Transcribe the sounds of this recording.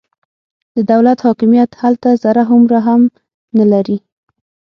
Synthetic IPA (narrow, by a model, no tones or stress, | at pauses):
d̪̥əd̪awlat̪hɑkɪmijat̪halt̪azaɾaɦʊmɾaɦam | nalaɾi